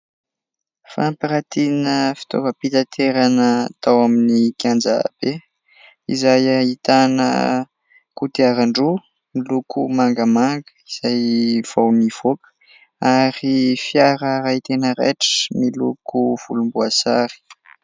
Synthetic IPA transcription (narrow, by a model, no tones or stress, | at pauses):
fampiɾat̪inəfi̥t̪o̰vəpit̪at̪ʰeɾanəat̪awaminikjand͡za̰b̥e | izajait̪anə̰ | kut̪iaɾaɳɖ͡ʐu | milukʰumaŋɡəmaŋɡəiz̥ajv̥awniv̥okə̥ | aɾifjaɾəɾait̪enəɾḛʈ͡ʂə̥milukuv̥ulumbuasaɾi̥